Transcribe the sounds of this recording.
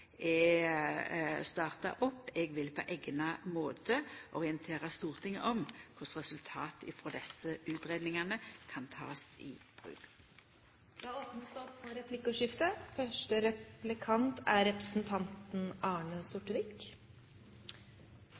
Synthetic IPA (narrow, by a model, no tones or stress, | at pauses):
ɛ | st̪ɑːʁt̪ɑ̰ʔɔpːɛɡʋɪlpʰɔʔeːɡnɑmoːt̪ʰəʔɔʁɪənt̪ʰeːʁəst̪uːʁt̪ʰɪŋ̰ːʔɔmkʰʊʁsʁɛsʉlt̪ʰɑ̰ːt̪ɪfɔd̪ɛsəʉːt̪ʁeːd̪nɪŋɑnəkʰɑnt̪ʰɑ̰ːst̪ɪ̰b̥ʁʉ̰ːɡ | jɑoːpnəsd̪ɔpːɔɾɛpʰlɪkːəʂɪft̪əfœʂʈəɾɛplɪkʰɑnt̪ʰæɾɾɛpɾəsnt̪ʰɑnt̪n̩ɑːɳəsʊʈəɾɪk